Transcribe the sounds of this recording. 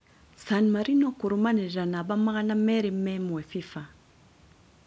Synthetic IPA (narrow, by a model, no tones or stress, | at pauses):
sanmaɾinokuɾumaneʒanabamaɣanamɛɾimɛmefifa